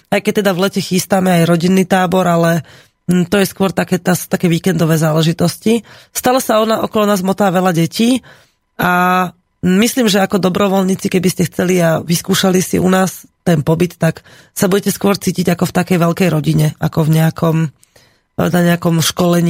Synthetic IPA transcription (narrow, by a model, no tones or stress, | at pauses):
ajkɛc̚t̪ɛd̪aʋlɛcɛxist̪amɛajɾɔɟinːiːt̪aːbɔɾalɛ | t̪ɔjɛskʊɔɾt̪akɛːt̪ast̪akɛːʋiːkɛnd̪ɔʋɛːzaːlɛʒit̪ɔscist̪alɔsaɔnaʔɔkɔlɔnaːzmɔt̪aːʋɛlaɟɛciː | a | misliːmʒɛakɔd̪ɔbɾɔʋɔlɲiːt͡sikɛbiscɛxt͡sɛliaʋiskuːʃalisḭʔṵnaːst̪ɛnpɔbit̪ːak | sabuɟɛcɛskʊɔɾt͡siːciɟakɔft̪akɛjʋɛlkɛjɾɔɟiɲɛakɔvɲɛakʰɔm | naɲɛakɔmʃkɔlɛɲiː